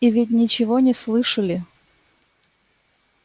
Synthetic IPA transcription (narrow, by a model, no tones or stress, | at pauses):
ivʲɪt̬ʲnʲɪt͡ɕɪvonʲɪslˠɨʂəlʲɪ